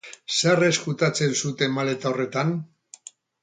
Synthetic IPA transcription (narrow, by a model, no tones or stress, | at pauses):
sare̞skut̪at͡se̞nsut̪e̞male̞t̪aore̞t̪an